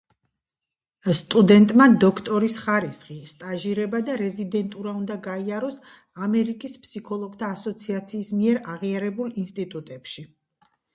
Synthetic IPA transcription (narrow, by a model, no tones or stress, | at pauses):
st̪ʼud̪ɛnt̪ʼmad̪ɔkʰt̪ʼɔɾisχaɾisχist̪ʼaʒiɾɛbad̪aɾɛzid̪ɛnt̪ʼuɾaund̪aɡaiaɾɔs | amɛɾikʼispʰsikʰɔlˠɔɡt̪ʰaːsɔt̪sʰiat̪sʰiːsmiɛɾaʁiaɾɛbulˠinst̪ʼit̪ʼut̪ʼɛpʃi